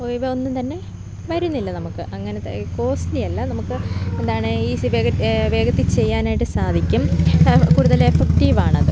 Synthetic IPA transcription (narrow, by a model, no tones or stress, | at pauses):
oʋeo̞nːumt̪ɐnːe̞ | ʋɐɾunːilːɐnɐmukːɨʔɐŋːɐneko̞ːslijɐlːɐnɐmukːɨend̪aːɳɨiːʋeːɡɐʋe̞ːɡɐt̪ːit͡ɕe̞jːaːnaːjiʈːɨsaːd̪ʱikʲːumkuːɽuðɐlefekʈiʋaːɳɨɐðɨ